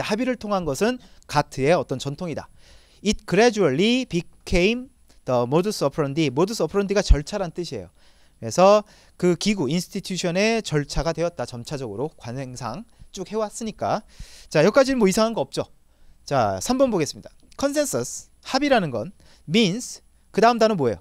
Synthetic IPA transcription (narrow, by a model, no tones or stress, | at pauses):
habiɾɯɭtʰoŋɦanɡʌsʰɯnkatʰɯe̞ʌt͈ʌnt͡ɕʌntʰoŋida̰ | it̚kɯɾed͡ʑuʌɭːipikʰeim | d̥ʌmodɯs͈ʌpʰɾʌndimodɯsʰʌpʰɾʌndiɡat͡ɕʌɭt͡ɕʰaɾanɯnt͈ɯɕʰie̞̰jo | kɯɾe̞sʰʌ | kɯkiɡuinsʰɯ̥tʰitʰjuɕʰʌne̞t͡ɕʌɭt͡ɕʰaɡadwe̞ʌt̚t͈at͡ɕʌmt͡ɕʰad͡ʑʌɡɯɾokwansʰe̞ŋsʰaŋt͡ɕ͈uk̚he̞was͈ɯɲik͈a̰t͡ɕajʌk͈ad͡ʑidɯmoʌisʰaŋɦanɡʌʌp̚t͡ɕ͈o | t͡ɕasʰambʌnboɡe̞s͈ɯmɲid̥ḁ | kʰʌns̬ʰe̞nsʰʌsʰ | habiɾanɯnɡʌn | minsʰ | kɯdaɯmdanɯnmoejo̰